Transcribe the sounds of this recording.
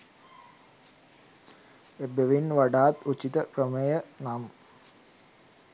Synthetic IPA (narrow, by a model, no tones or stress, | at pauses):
ebeʋinʋaɖaːt̪ut͡ʃːit̪əkrəməjənam